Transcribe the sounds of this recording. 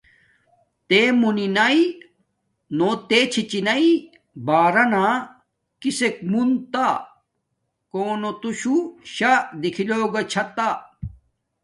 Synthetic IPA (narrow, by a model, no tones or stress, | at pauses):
t̪emuninai | not̪eːt͡ɕʰit͡ɕinɐi | baːɾɐna | kisek̚munt̪a | koːnot̪uɕuɕad̪ikʰiloːɡɐt͡ɕʰɐt̪a